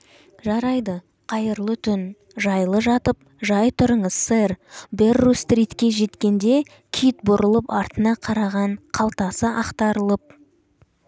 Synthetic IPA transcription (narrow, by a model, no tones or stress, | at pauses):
ʒɑɾɑjd̪ə | qʰɑjəɾlˠət̪ʰʏn | ʒɑjlˠəʒɑt̪əp̚ | ʒɑjt̪ʰʊɾəɴəzseɾberːust̪rʲit̪kʲe̞ʒe̞t̪kʲe̞nd̪e̞ | kʲʰijt̪̚bʊɾəlˠəpɑɾt̪ənɑqʰɑɾɑʁɑɴqʰɑlˠt̪ɑsəʔɑqt̪ɑɾəlˠəp̚